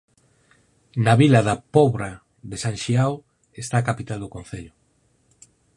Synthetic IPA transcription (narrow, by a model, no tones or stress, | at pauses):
naβilaðapɔβɾa | ðesãnʃiaw | est̪akapit̪ald̪okon̟θeʎʊ